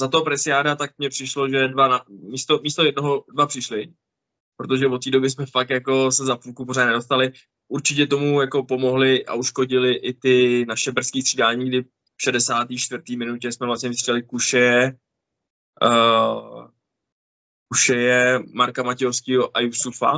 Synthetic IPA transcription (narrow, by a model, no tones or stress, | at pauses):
zat̪oɦopɾɛsɪjaːdat̪ak̚mɲɛpr̥ɪʃlo̞ʒɛdvanamist̪o̞miːst̪o̞jɛd̚noɦodvapr̥ɪʃlɪ | pɾot̪̬oʒɛvot̪ːiːdo̞bjɪs̬mɛfak̚t̪jako̞sɛzapuːlkuporaːnɛdo̞st̪alɪ | ʔuɾt͡ʃɪcɛt̪̬o̞mujako̞po̞mo̞ɦlɪʔa̰ʔuʃkoɟɪlɪʔɪt̪ɪnaʃɛbr̩skiːst̪r̥iːdaːɲiːɡdɪ | ʃɛdɛsaːt̪iːʃt̪vrt̪iːmɪnucɛsmɛvlastɲɛvɪst̪ridalɪkuʃɛjɛ | kuʃɛjɛmaɾkamacɛofskɪɦoʔajusufa̰